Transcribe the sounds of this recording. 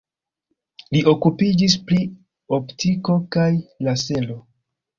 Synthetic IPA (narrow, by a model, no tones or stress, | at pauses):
liʔo̞kupid͡ʒis̬pli | o̞ptʰiko̞kajlase̞lo̞